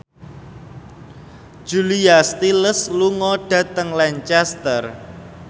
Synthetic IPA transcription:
ʒ̥uliast̪iləsluŋɔɖ̥ä̤t̪əŋlɛɲt͡ʃɛst̪ər

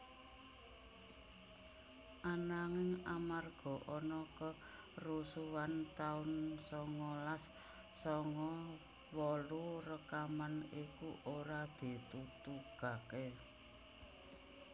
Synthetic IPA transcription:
ʔanaŋɪŋamarɡ̥ɔ̤ʔɔnɔkə | rusuwant̪aʊnsɔŋɔlasː | ɔŋɔ | wɔlurəkamanikuʔoɾad̪̥i̤t̪ut̪uɡ̥a̤ke

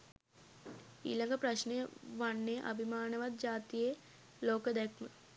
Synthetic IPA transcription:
ḭːlaŋɡəpɾaɕneʋanːeʔɐ̰bʱimaːnəʋat̪̚d͡ʒaːt̪ije | loːkəd̪ɛkʰmə

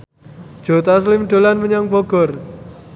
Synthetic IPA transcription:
d̥ʒ̥o̤t̪as̬limɖ̥o̤lanməɲaŋb̥ɔɡ̥ɔ̤r

